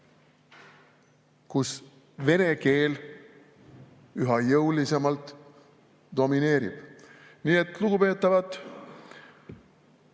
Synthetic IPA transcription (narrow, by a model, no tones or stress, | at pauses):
kus | ve̞ne̞ke̞ːl | yɦɑjɤwlise̞mɑlt̪ | d̪̥o̞mine̞ːɾḭb̥ | niːet̪ˑluɡ̥upe̞ːt̪ːˑɑvɑt̪ːˑ